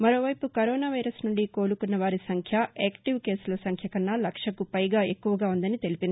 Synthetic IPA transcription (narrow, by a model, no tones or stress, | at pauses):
mɐɾo̞ːʋɐjpukɐɾoːnaːʋɐjɾɐsnuɳɖiko̞ːlukunːɐʋaːɾisɐŋkʰjɐʔeːkʈiʋke̞ːsulɐsɐŋkʰjɐkɐnːaːlɐkʂɐkupɐjɡaːe̞kːuʋɐɡaːund̪ɐnit̪e̞lipind̪i